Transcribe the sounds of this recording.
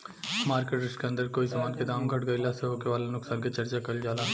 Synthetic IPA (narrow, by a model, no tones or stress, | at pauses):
maːɾkeʈɾɪsʈkeɐ̃nd̪əɾkoːisɐmaːnked̪aːmɡʱɐʈɡɐɪlaseɦoːkeʋaːlanʊksaːnkit͡ʃɐɾt͡ʃakɐld͡ʒaːlaː